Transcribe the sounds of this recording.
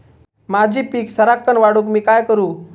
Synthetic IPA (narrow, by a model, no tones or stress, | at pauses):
mad͡ʑʱiːpiːksəɾakːəɳʋaɽuːkmiːkajkəɾuː